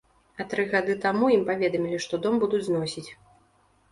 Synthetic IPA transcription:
ɐt̪ɾɨɣad̪ɨt̪amujimpavʲɛd̪ɐmʲilʲiʂt̪ɔd̪ɔmbud̪ud͡zʲznɔsʲit͡sʲ

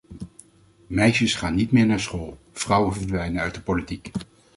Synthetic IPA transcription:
mɛjʃəsχaːnːitmɪːɹnaːɹsχoːlˠ | v̥rʌwənvəɹdʋɛjnənœɥt̚dəpolitik

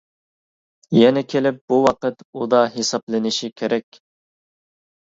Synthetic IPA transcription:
jɛnɛkʲʰelɪp̚buwɑqət̪ud̪ɑɦesɑplˠɨnɪʃikʲʰeɾʔɛkʲ

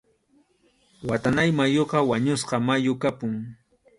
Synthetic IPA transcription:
wat̪anajmajoqɑwaɲʊsqɑmajʊkapʊŋ

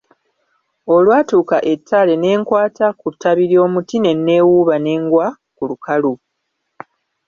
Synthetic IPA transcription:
o̞lwaːtuːkaʔe̞tʰːale̞ne̞ːŋkwaːtakutːaβiɾio̞ːmutine̞nːe̞wuβane̞ːŋɡwa | kulukalu

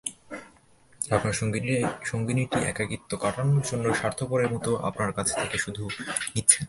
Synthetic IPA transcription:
ɾapnaɾʃoŋɡiʃoŋɡiniʈiʔɛ̰kaɡit̪ːokaʈanoɾd͡ʑonːoʃaɾt̪ʰopoɾeɾmut̪oʔa̰pnaɾkat͡ɕʰe̥t̪ʰekeʃud̪ʱunit̪ːɕʰen

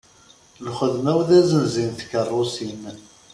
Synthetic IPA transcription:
lχəðmæwðæzənzinθkərˤːʊsin

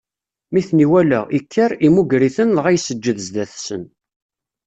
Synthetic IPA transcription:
miθniwælæ̰ʔikʰːəɾimuɡɾiθənlʁæjsəd͡ʒːəðzd̪æθsən

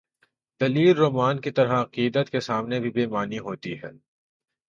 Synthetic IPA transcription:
d̪̥ɐliːlːoːmaːnkit̪ɐɾɦaɐqiːd̪ət̪kesaːmnebʱibeːmaːniɦoːt̪iɦɛ̰ː

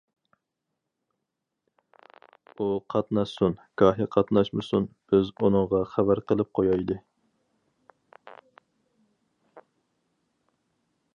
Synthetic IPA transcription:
uqʰɑt̪nɑʃsunkʰɑːɦiqʰɑt̪nɑʃmɨsunb̥ɪzunɨŋʁɑχæbæɾqəlˠɨp̚qʰojɑjd̪ɨ

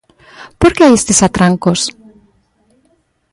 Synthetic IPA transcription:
poɾkeajest̪esat̪ɾaŋkos

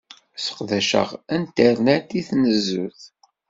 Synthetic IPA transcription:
sə̥qðæʃə̰ʁænt̪əɾnæt̪iθnəzːṵθ

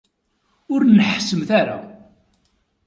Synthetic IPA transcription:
ʊɾnəħsəmθaɾa̰

